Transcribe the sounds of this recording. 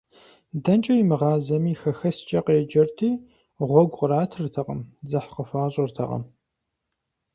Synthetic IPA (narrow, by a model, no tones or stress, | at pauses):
dɐnt͡ʃʼɐjimɨʁɑːzɐmiːxɐxɐst͡ʃʼɐqejɛd͡ʒɐrtʰiː | ʁʷɔɡʷqʼəɾaːtʰrtʰɐqə̰md͡zɐħqəfaːɕʼɪrtʰɐqɐ̰m